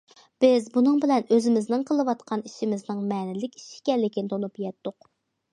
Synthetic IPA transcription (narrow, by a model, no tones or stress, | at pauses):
b̥ɪzbunɨŋbɪlɛnøzɪmɪznɨŋqʰəlˠɨwɑt̪̚qʰɑniʃimɪznɨŋmɛnɪlɪkʲi̥ʃi̥ɡʲɛlːɪkʲʰint̪ʰonupjɛt̪ːʊq̚